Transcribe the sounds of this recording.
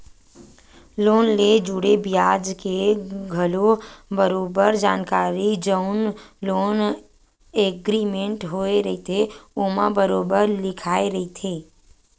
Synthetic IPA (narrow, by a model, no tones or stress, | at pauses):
loːnled͡ʒuɽebijaːd͡ʒkeɡʱəlobəɾoːbəɾd͡ʒaːnkaːɾid͡ʒəʊnloːn | eɡɾimẽɳʈɦoːeɾɐɦit̪ʰeomãbəɾoːbəɾlɪkʰaːeɾɐɦit̪ʰeː